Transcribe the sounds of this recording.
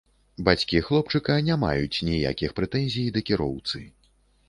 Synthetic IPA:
bat͡sʲkʲixlˠɔp̚t͡ʂɨkɐnʲama̰jut͡sʲnʲija̰kʲixpɾɛt̪ɛnʲzʲijd̪ɐkʲiɾɔwt̪sɨ

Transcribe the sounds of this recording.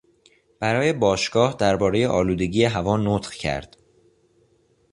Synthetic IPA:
b̥æɾɒːje̞bɒːʃɡ̥ɒːhd̪æɾbɒːɾe̞je̞ʔɒːluːd̪e̞ɟiːjeɦævɒːnot̪χcʰæ̰ɾd̪̥

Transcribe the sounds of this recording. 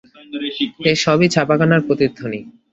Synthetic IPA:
eʃɔbit͡ɕʰapakanaɾpɾot̪id̪ʱːoni

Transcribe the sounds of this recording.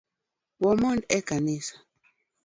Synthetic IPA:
wɔmɔndɛkanisḁ

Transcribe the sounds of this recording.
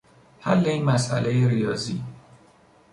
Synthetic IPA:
hæ̰lːe̞inmæsʔæ̰lejeɾijɒːziː

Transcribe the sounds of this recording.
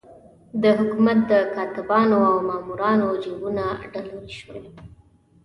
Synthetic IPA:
d̪əɦʊkumat̪̚d̪əkɑt̪ɪbɑnoawmɑmuɾɑnod͡ʒoɡunaɖaluliʃwe

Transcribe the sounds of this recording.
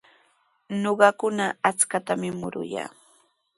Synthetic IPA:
noɢɑkʊnaat͡skat̪amɪmʊɾʊ̰ja̰ː

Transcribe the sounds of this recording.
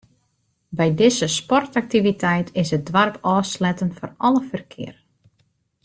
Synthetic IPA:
bɛjdɪzəspɔrtak̚tivitʰɛjtʰɪsət̚dʋarpʰɔːslɛtənfɔrɔlˠəfərkʰɪ̰ər

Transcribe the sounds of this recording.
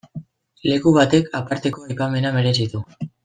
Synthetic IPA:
le̞kuβ̞at̪e̞kapaɾt̪e̞ko̞ajpame̞name̞ɾe̞sit̪u

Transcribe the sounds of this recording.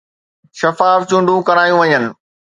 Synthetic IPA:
ʃɐfaːft͡ɕʊ̃ɳɖʱũkɐɾaːjũʋɐɲənɪ̆

